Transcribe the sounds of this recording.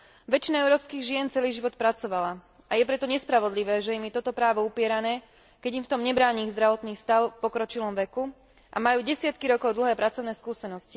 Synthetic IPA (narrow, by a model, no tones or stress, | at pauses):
ʋɛt͡ʃinaɛʊɾɔːpskiːɣʒɪɛnt͡sɛliːʒiʋɔt̪̚pɾat͡sɔʋala | ajɛp̬ɾɛt̪ɔɲɛspɾaʋɔd̪liʋɛːʒɛimjɛt̪ɔt̪ɔpɾaːʋɔupɪɛɾanɛː | kɛɟimft̪ɔmɲɛbɾaːɲiːɣzd̪ɾaʋɔt̪niːst̪aʊfpɔkɾɔt͡ʃilɔmʋɛku | ʔa̰majuːɟɛsɪat̪kiɾɔkɔʊd̪l̩ɦɛːpɾat͡sɔʊnɛːskuːsɛnɔsci